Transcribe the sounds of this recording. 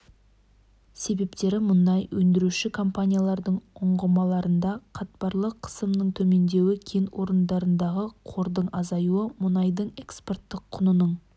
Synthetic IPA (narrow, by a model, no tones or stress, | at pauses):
se̞be̞pt̪e̞ɾɪmʊnd̪ɑjwʔɵnd̪ɪɾuʃɪkʰo̞mpanʲijalˠɑɾd̪əɴʊɴʁəmɑlˠɑɾənd̪ɑqʰɑt̪̚pɑɾlˠəqʰːə̥səmnəɴt̪ʰɵme̞nd̪e̞wɪkʲʰenwʔo̞ɾənd̪ɑɾənd̪ɑʁəqʰo̞ɾd̪əɴɑzɑjuəmʊnɑjd̪əɴe̞kspo̞rt̪ːɪqʰːʊnənəɴ